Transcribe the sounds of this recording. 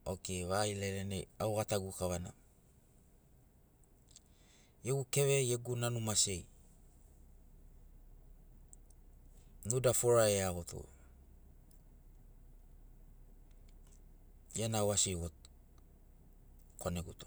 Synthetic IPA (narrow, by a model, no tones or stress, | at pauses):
okeβaileɾeneawɣataɡukaβana̰ | jeɡukeβejeɡunanumase̞j | nudafoɾaeaɡotʰo̰ | jenawasiɣot̚ | koneɡuto